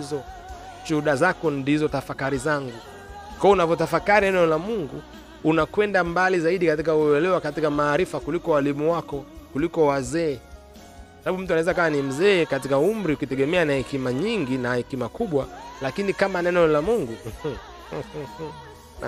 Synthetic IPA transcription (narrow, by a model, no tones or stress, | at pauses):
zɔ | ʃuuɗazakɔndizɔtafakaɾizaŋɡu | kaɔunavɔt̬afakaɾiɛnɛɔlamuŋɡu | unakwɛndambalizaiɗikatikauɛlɛwakatikamaːɾifakulikɔwalimuwakɔkulikɔwazɛː | kwasaɓaɓum̩t̬uanaɛzakaanim̩zɛːkatikaumɾiukitɛɠɛmɛanahɛkimaɲiŋɡinahɛkimakuɓwalakinikamanɛnɛɔlamuŋɡu